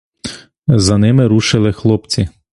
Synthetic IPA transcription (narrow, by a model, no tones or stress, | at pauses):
zɐnɪmɪɾuʃɪlˠɪxlˠɔpt͡sʲi